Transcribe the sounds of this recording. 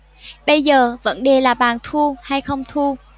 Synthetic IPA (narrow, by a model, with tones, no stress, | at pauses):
ɓə˧jzəː˨˩və̰˧˥nɗe˨˩laː˨˩ɓaː˨˩nt̪ʰu˧ha˧jxə˧wŋ͡mt̪ʰu˧